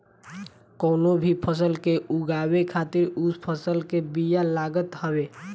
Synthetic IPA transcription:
konobʱipʰəs̬əlkeʔuɡabekʰat̪iɾuspʰəsəlkebijalaɡət̪ɦəbe

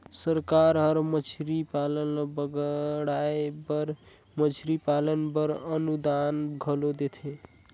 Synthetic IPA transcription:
səɾkaɾɦəɾmət͡ʃʰɾipalənbəɡɽajbəɾ | mət͡ʃʰɾipalənbəɾənud̪anɡʱəlod̪et̪ʰe

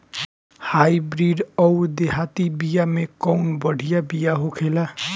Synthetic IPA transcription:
hajbɾiɖʌwd̪eɦat̪ibijamekʌwnbʌɽ̤ʱijabijaɦokʰela

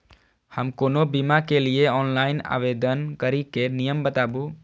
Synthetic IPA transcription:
həmkoːnobimakelieɔːnlaːɪna̰ːʋed̪ənkəɾikenijəmbət̪aːbu

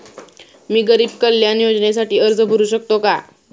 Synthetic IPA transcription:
miːɡəɾiːbkəljanjod͡znes̬aʈiːəɾd͡zəbʱəɾuːɕək̚t̪oka

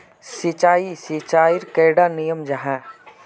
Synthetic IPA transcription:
sit͡ʃaːisit͡ʃaːɪɾkeːɽanijəmd͡ʒɐɦɛ̃ː

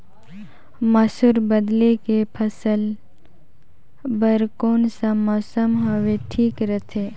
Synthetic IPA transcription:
mɐsuɾbəd̪lekepʰəsəl | bəɾkoːnsamɔːsəmɦəʋeʈʰiːkɾət̪ʰeː

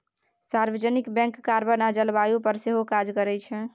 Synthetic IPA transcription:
saɾbəd͡ʒənikbɛ̃ŋkːaɾbənad͡ʒəlbajupəɾseɦokad͡ʒkəɾɛt͡ʃʰɛ

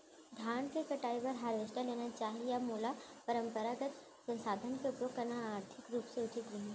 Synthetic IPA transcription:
d̪ʱaːnkekɐʈaːipɐɾɦaːɾɪʃʈaleːnat͡ʃaːɦijamoːlapɐɾə̃mpəɾaɡət̪ | sɐ̃nsaːd̪ʱənkeʊpɾokɐɾnaːɾt̪ʰɪkɾuːpseʊʈʰɪt̪ɾɐɦĩ

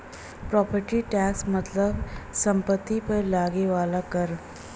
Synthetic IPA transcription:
pɾɔpəɾʈiːʈɛksmət̪ləbsəmpət̪ːipəɾlaɡeʋalakəɾ

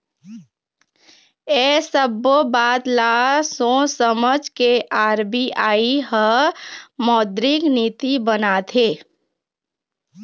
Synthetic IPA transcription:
ɛːsəbobaːt̪laːsõsəməd͡ʒkeʔaːɾbiʔaːiɦə | mɔːd̪ɾɪkniːt̪ibənat̪ʰeː

